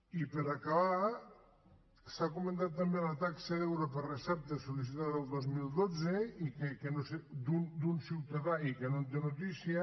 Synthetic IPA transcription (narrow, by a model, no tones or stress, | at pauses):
ipəɾakaβa | sakumẽnt̪̬at̪ːəmbelət̪akseðɛwɾop̬ərresɛp̚t̪esulis̬it̪aðəlˠd̪ozmilˠd̪od͡zeikekenosed̪und̪unsiwt̪aðaikenont̪̬enut̪isiə